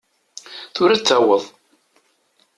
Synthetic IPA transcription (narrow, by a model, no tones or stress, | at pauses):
θʊɾæt͡sːæwəðˤ